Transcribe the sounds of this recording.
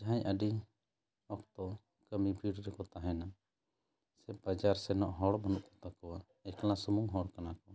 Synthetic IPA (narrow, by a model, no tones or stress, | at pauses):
d͡ʒaɦãɲʔəɖi | ɔk̚t̪ɔ | kəmibʱiɽɾɛkɔt̪aɦɛna | sɛbad͡ʒaɾsɛnɔʔɦɔɽbɔnuʔkɔt̪akɔwa | ɛklãsumuŋɦɔɽkanakɔ